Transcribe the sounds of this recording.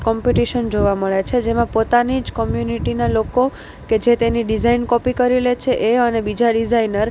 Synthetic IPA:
kɔmpiʈiʃənd͡ʒoʋaməɭet͡ʃʰed͡ʒemãpot̪anid͡ʒkəmjuniʈinaloko | ked͡ʒet̪eniɖizainkɔpikəɾilet͡ʃʰeʔeənebid͡ʒaɖizainəɾ

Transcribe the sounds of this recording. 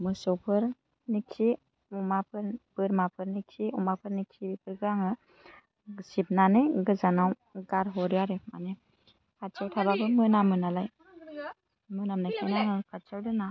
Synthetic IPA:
mɯsɔwpʰɯɾ | niksi | umapʰɯɾbɯɾmapʰɯɾnikiumapʰɯɾniksibipʰɯɾɡɯɾaŋɯ | sip̚nanɯjɡɯzanaw | ɡaɾɦɔɾiaɾema̰ne | kʰatt͡ʃʰawtʰababɯmɯnamɯnalaj | mɯnamnakʰenaŋɯkʰat͡ʃʰawdɯna

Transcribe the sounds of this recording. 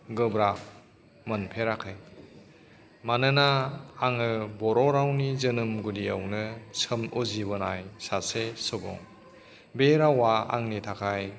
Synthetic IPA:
ɡɯbɾak̚ | mɯnpʰeɾakʰɯj | manɯnaːŋɯbɔɾɔɾawnizɯnɯmɡudiawnɯsɯmozibɯnajsasesɔbɔ̰ŋ | beɾawaa̰ŋnitʰakʰaj

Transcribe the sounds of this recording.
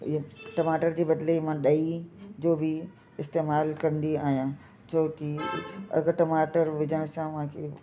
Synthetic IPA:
ʈɐmaːʈəɾd͡ʑiːbɐd̪lemãɗɐid͡ʑoːbɪ | ɪst̪eːmaːlkɐɾə̃n̆d̪iaːɦijã | t͡ɕʰoːkiɐ̰ɡʈɐmaːʈəɾʋɪd͡ʑəɽ̃sãʋãkʰe

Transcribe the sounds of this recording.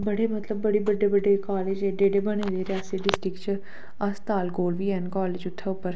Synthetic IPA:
bəɽeːmət̪ləbːəɽiːbəɖebəɖekɔːleːd͡ʒeːɖeːɖeːbəɽ̃eːleːɾɪjaːsiɖɪsʈɾɪkt͡ʃ | ɐst̪aːlɡoːlʋiːɛːnkɔːleːd͡ʒʊt̪ʰːeʊpːəɾ

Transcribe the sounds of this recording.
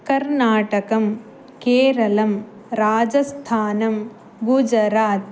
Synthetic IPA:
kɐɾnaːʈɐkɐm | keːɾɐlɐm | ɾaːd͡ʒɐst̪ʰaːnɐm | ɡud͡ʒɐɾaːt̪̚

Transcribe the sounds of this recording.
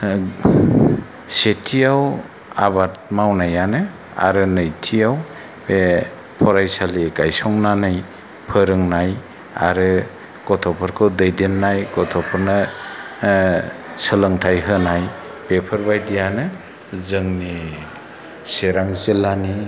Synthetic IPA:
setʰijaw | a̰bat̚mawnajanɯ | a̰ɾɯnɯjtʰijaw | e | pʰɔɾajsaliɡajsɔŋnanaj | pʰɯɾɯŋnaj | a̰ɾɯ | kɔtʰɔpʰɔɾkʰɯwdɯjdenːajkɔtʰɔpʰɔɾnɯ | sɯlɯŋtʰajɦɯnaj | b̥epʰɯɾbajdijanɯ | zɯŋni | seɾaŋzelani

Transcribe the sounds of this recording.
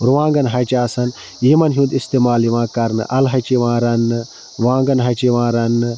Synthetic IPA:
ɾuʋãːŋɡɐnɦɐt͡ʃaːsɐn | iːmɐnɦũːnd̪ist̪eːmaːliʋãːkɐɾnɨ̰ʔɐlɦɐt͡ʃiʋãːɾɐnːɨ | ʋãːŋɡɐnɦɐt͡ʃiʋãːɾɐnɨ

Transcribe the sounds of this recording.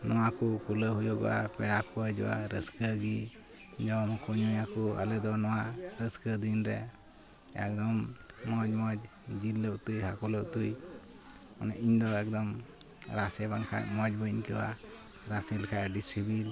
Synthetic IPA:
nɔwakukuləɦujɔʔa̰pɛɽakuəd͡ʒɔwa̰ɾəskəɡi | d͡ʒɔmkɔɲujakua̰lɛd̪ɔnɔwaɾəskəd̪inɾɛ̰ | ɛ̰k̚d̪ɔmːɔd͡ʒmɔd͡ʒ | d͡ʒilːəʔt̪ujɦakɔləʔt̪uj | ɔnɛʔiɲd̪ɔɛk̚d̪ɔm | ɾasɛbaŋkʰa̰ʔmɔd͡ʒbəɲkəwa̰ | ɾasɛlkʰaʔɖisibil

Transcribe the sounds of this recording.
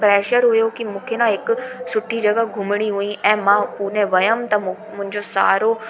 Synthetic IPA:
pɾɛːʃəɾɦʊjokimũːkʰenãɦɪkʊ̆sʊʈʰid͡ʑɐɡəɡʱʊmɪɽ̃iɦuĩʔɛ̃ːmãːpuːnẽʋɐjəmt̪ɐ | mʊ̃ɦɪ̃ɲd͡ʑosa̰ːɾo

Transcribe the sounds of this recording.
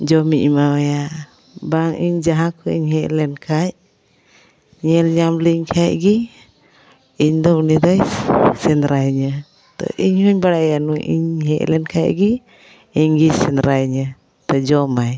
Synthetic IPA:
d͡ʒɔmiʔmawɛja | baŋiɲd͡ʒaɦãkʰɔḭɲhɛʔlɛnkʰaj | ɲɛlɲamliɲkʰajɡi | iɲd̪ɔʔnid̪ajsɛnɾajɲə | t̪ɔ̰ʔiɲhuɲbaɽaʔjanuʔḭɲɦɛʔlɛnkʰajɡi | iɲɡisɛnɾajɲə | t̪ɔd͡ʒɔmaj

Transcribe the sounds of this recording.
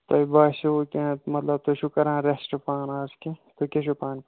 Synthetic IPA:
t̪ɐibaːʃukʲẽmɐt̪lɐb̚t̪oʃukɐɾãːɾesʈopaːnaːsket̪okʲeʃupaːn

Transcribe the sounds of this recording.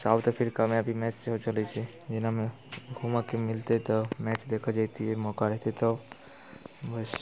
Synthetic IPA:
saːbt̪ɔpʰɪɾkamẽəbʱimɛːt͡ʃseɦot͡ʃəlet͡ʃʰɛ | d͡ʒɪnamẽ | ɡʱumakemɪlt̪et̪ɔmɛːt͡ʃd̪eːkʰəd͡ʒat̪iɦɛmɔːkaɾɛɦt̪et̪ɔ | bəs

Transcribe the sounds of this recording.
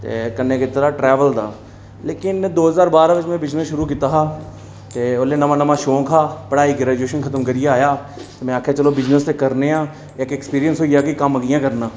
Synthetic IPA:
t̪ḛːkənːeːket̪ːɾaːʈɾɛːʋəld̪a̰ː | leːkɪnd̪oːɦəzaːɾbaːɾaːʋɪt͡ʃmɛ̃ːbɪd͡ʒnəsʃʊɾuːkɪt̪aːɦaː | t̪eːoleːnəmãːnəmãːʃoːkʰaːpəɽaːiːkɪɾɛːd͡ʒuːʃənkʰət̪əmkəɾijaaːjaː | t̪eːmɛ̃ːəkʰaːt͡ʃəloːbɪd͡ʒnəst̪eːkəɾneːãː | ɪkeːkspiːɾijənsɦoːijaːkikəməɡɪjãːkəɾnãː

